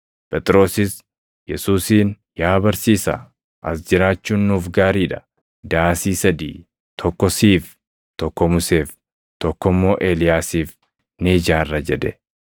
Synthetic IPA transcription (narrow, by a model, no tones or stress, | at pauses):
pʼɛt̪ʼɪɾo̞ːsɪs | jɛsuːsiːn | jaːbɐɾsiːsɐ̰ | ʔɐsd͡ʒɪɾaːt͡ʃːuːnːuːfɡaːɾiːᶑɐ̥ | d̪aːsiːsɐd̪ḭː | t̪ʰɔkːɔsiːf | t̪ɔkːɔmʊseːf | t̪ɔkːɔmːo̞ːʔe̞ːlɪjaːsiːf | neːd͡ʒaːrːɐd͡ʒɛd̪ɛ